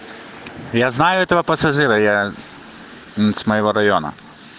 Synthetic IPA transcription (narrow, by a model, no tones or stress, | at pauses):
jaznajʊɛt̪ɐvɐpɐsɐʐɨɾɐja | smɐjɔʋɔɾɐjɔnɐ̰